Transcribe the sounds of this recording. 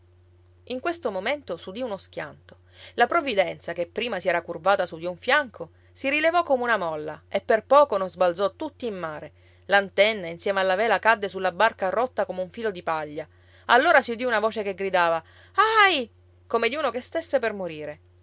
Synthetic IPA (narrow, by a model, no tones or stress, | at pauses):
iŋkwest̪omoment̪osud̪iunosk̟ja̰nt̪o̥ | lapɾovid̪ɛnt̪sakepːɾiːmasiɛːɾakurbaːt̪asud̪iuɱfjaŋkʰo | siɾilevɔkːomeunamɔlːaepːerpɔːkononzbald̪zɔt̪ut̪ːiːmːaːɾe | lant̪ɛnːainsjɛːmealːavɛːlakad̪ːesulːabarkarɔt̪ːakomeuɱfiːlod̪ipaʎːa | alːoːɾasiud̪iunavoːt͡ʃekeɡɾid̪aːva | aj | komed̪iuːnokest̪esːepermoɾiːɾe